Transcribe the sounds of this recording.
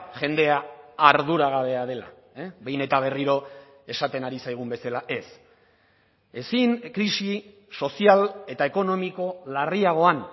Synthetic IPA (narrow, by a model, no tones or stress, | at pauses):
ʝe̞nd̪e̞aːɾð̞uɾaɣ̞aβe̞aðe̞la̰ | βe̞jne̞t̪aβ̞e̞riɾo̞ | e̞sat̪e̞naɾisajɣ̞umbe̞salaʔe̞s | e̞siŋkɾisi | so̞siale̞t̪ae̞ko̞no̞miko̞lariaɣ̞o̞an